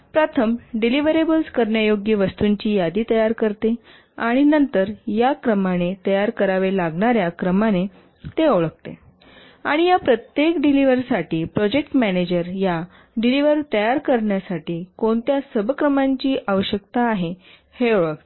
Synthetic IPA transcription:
pɾat̪ʰəmɖiliʋəɾebəlskəɾɳjajoɡjəʋəst̪uɲt͡ɕiːjad̪iːt̪əjaɾkəɾt̪e | aɽ̃inənt̪əɾjakɾəmanet̪əjaɾkəɾaʋelaɡɳaɾjakɾəmane | t̪eoɭəkt̪ḛ | aɽ̃ijapɾət̪jekɖiliʋəɾsaʈiːpɾɔd͡ʑekʈmæned͡ʑəɾja | ɖiliʋəɾt̪əjaɾkəɾɳjasaʈiːkoɳt̪jasəbkɾəmaɲt͡ɕiːʔaʋəɕjəkt̪aːɦe | heoɭək̚t̪e

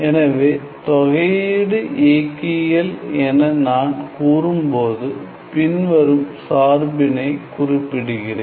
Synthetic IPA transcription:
ɛnɐʋeː | t̪ɔɣɐjɪɽɯʔeːkːɪɣɐlɛnɐnaːnkuːrɯmpoːðɯ | pɪnʋɐɾɯmsaːrbɪnɐɪkʊrɪpːɪɽɯɣɪreː

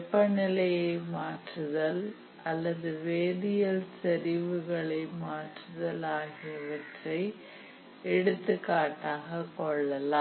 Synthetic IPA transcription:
pːɐnɪlɐjɐɪmaːʈrɯðɐl | ʔɐlːɐðɯʋeːðɪjɐlsɛɾɪʋɯɣɐɭɐɪmaːʈrɯðɐlaːɣɪjɐʋɐʈrɐɪ | ɛɽɯt̪ːɯkːaːʈːaːɣɐkɔɭːɐlaː

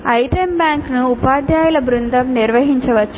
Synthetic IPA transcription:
ɐjʈɐmbjaːŋknuːpaːd̪ʱjaːjulɐbɾund̪ʱɐmniɾʋɐɦiɲt͡ʃɐʋɐt͡ʃːu

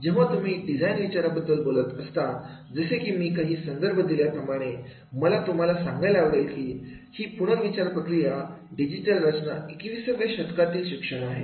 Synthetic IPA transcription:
d͡ʑeʋat̪um̤iːɖid͡zʱajnʋit͡ɕaɾabəd̪ːəlbolət̪əst̪ad͡zəsekiːmiːkaɦiːsənd̪əɾbʱəd̪iljapɾəmaɽ̃e | məlat̪um̤alasãŋɡajlaaʋɽajkiː | hiːpuɽ̃əkʋit͡ɕaɾpɾəkɾijaɖid͡ʑiʈəlɾət͡ɕnaikʋisəʋjaɕət̪kat̪iːlɕikʂəɽ̃aɦe

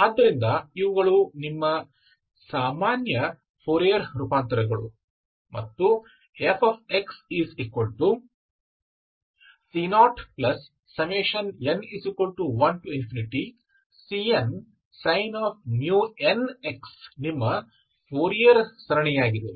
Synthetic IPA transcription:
ɐd̪ːɐɾind̪ɐiʋɐɡɐɭunimːɐ | saːmaːnjɐ | pʰoːɾijɐɾɾupaːnt̪ɐɾɐɡɐɭṵ | mɐ̰t̪ːu | epʰaːp̚ʰeksiːzikʋɐlʈu | sinaːʈplɐsː | ɐmeːʃɐneniːsikʋɐlʈuʋɐnʈuinfʰiniʈi | sien | sɐjnaːp̚ʰnjuːeneksnimːɐ | pʰoːɾijɐɾsɐɾɐɳɛjaːɡid̪e

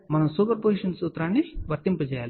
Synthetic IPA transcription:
mɐnɐmsuːpɐɾpoːsiʂɐnsut̪ːɾaːɳːiʋɐɾt̪impɐd͡ʑɛjaːl

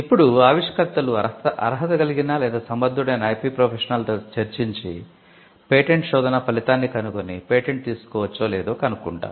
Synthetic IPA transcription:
ipːuɽuaːʋiʂɐkɐɾt̪ːɐluɐʔɐ̰ɾɐɦɐt̪ɐɡɐliɡinaːlɛːd̪aːsɐmbɐd̪ːuɽeːnɐɐjpiːpɾoːpʰeʂɐnɐlt̪oːt͡ʃɐɾt͡ʃiɲt͡ʃḭ | peːʈeɳʈʃɔːd̪ɐnɐpɐlit̪aːnːikɐnukonipeːʈeɳʈ̚t̪iːsu̥kɔːʋɐt͡ʃːoːlɛːd̪oːkɐnukuɳʈa̰ː

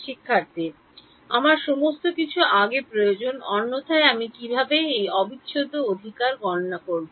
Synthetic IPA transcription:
ʃikʰːaɾt̪e | amaɾʃomost̪okit͡ɕʰuʔaɡepɾojod͡ʑonɔnːot̪ʰaeamikibʱabeejɔbit̪ːɕʰod̪ʱːood̪ʱikaɾɡɔnonakoɾbo

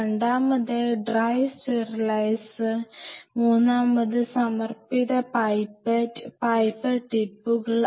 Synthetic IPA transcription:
eɳɖaːmɐðɨɖraːjsʈerɐlɐjsɨmuːnːaːmɐðɨsɐmɐrpiðɐpɐjpɐʈpɐjpːɐʈipːuɣɐɭ

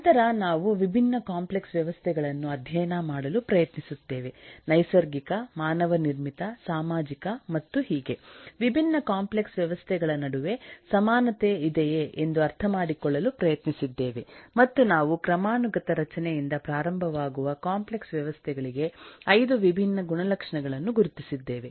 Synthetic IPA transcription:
t̪ɐɾɐnaːʋuʋibʱinːɐkaːmple̞ksʋjɐʋɐst̪ʰɛɡɐɭɐnːuɐd̪ʱjɐjɐnamaːɽɐlupɾɐjɐt̪nisut̪ːeːʋe̞nɐjsɐɾɡikɐmaːnɐʋɐniɾmit̪ɐsaːmaːd͡ʒikɐmɐt̪ːuhiːɡe̞ʋibʱinːɐkaːmpleksʋjɐʋɐst̪ʰɛɡɐɭɐnɐɽuʋe̞sɐmaːnɐt̪eid̪ɛjeʔend̪uɐɾt̪ʰɐmaːɽikɔɭːɐlupɾɐjɐt̪nisid̪ːe̞ːʋe̞mɐt̪ːunaːʋukɾɐmaːnuɡɐt̪ɐɾɐt͡ʃɐnɛjind̪ɐpɾaːɾɐmbʱɐʋaːɡuʋɐkaːmple̞ksʋjɐʋɐst̪ʰɛɡɐɭiɡe̞ɐjd̪uʋibʱinːɐɡuɳɐlɐkʂɐɳɐɡɐɭɐnːuɡuɾut̪isid̪ːe̞ːʋe

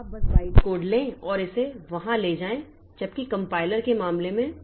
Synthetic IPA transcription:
bɐsʋaːɪʈkoːɖlẽɔːɾɪseʋɐɦãleːd͡ʒaːẽ | d͡ʒɐb̚kikɐ̃mpaːɪləɾkemaːmlemẽ

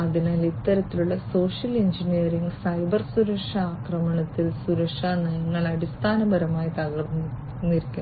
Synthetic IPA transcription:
ɐðinaːlit̪ːɐɾɐt̪ːiluɭːɐso̞ːʂjɐleɲd͡ʑinijɐɾiŋɡsɐjbɐrsuɾɐkʂɐaːkrɐmɐɳɐt̪ːilsuɾɐkʂɐnɐjɐŋːɐɭɐɽist̪ʰaːnɐbɐɾɐmaːjit̪ɐɣɐrn | nːiɾikʲːu

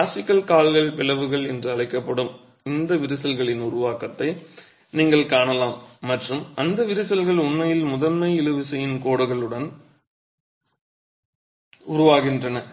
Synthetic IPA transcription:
aːsɪkːɐlkaːlɣɐɭpɪlɐʋɯɣɐɭɛndrɯɐɭɐɪkːɐpːɐɽɯm | ɪnd̪ɐʋɪɾɯsɐlɣɐɭɪnʊɾʊʋaːkɐt̪ːɐɪ | niːŋɡɐɭkaːɳɐlaːmːɐʈrɯmɐnd̪ɐʋɪɾɯsɐlɣɐɭʊɳmɐjɪlmʊðɐlmɐɪɪlɯʋɪsɛjɪnkoːɽɯɣɐɭɯɽɐn | ʊɾʊʋaːɣɪndrɐnɐ

